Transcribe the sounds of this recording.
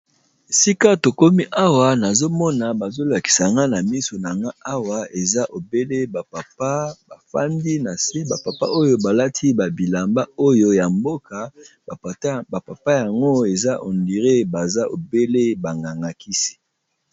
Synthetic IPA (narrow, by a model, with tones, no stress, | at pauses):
e˨si˦ka˦to˨ko˦mi˦ʔa˦wa˨na˨zo˦mɔ˦na˨ba˨zo˦la˨ki̥˨sa˨ŋɡa˦na˨mi˦so˨na˨ŋɡa˦a˦wa˨e˨za˦ʔo˨be˦le˦ba˨pa˨pa˦ba˨fa̰˦ndi˦na˨se˦ba˨pa˨pa̰˦ʔo˦jo˦ba˨la˦tʰi˦ba˨bi˨la˨mba˦o˦jo˦ja˨mbo˦ka˨˦ | ba˨pa˨pa˦ja˨ŋɡo˦e˨za˦ʔo˨ndi˨ʁe˦ba˨za˦ʔo˨be˦le˦ba˨ŋɡa˨ŋɡa˨ki˦si̥˦